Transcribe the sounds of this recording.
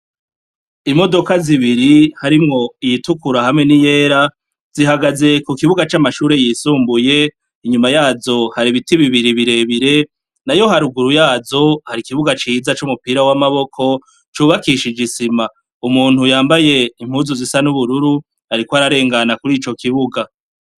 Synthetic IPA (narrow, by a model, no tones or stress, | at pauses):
imo̞do̞kaziβiɾihaɾimŋo̞ijitukuɾaɦamŋe̞nije̞ːɾa | z̥iɦaɡaze̞kukiβuɡat͡ʃamaʃuːɾe̞jiːsuːmbuje̞ | iɲumajaːzo̞haɾiβitiβiβiɾiβiɾe̞βiɾe̞ | najo̞ɦaɾuɡuɾujaːzo̞haɾikiβuɡat͡ʃiːzat͡ʃumupiːɾawamaβo̞kʰo̞ | t͡ʃuːβakiʃid͡ʒisima | umuːnhujaːmbaje̞im̥huːzuzisanuβuɾuɾu | aɾikoaɾaɾe̞ːŋɡanakuɾit͡ʃo̞kiβuɡa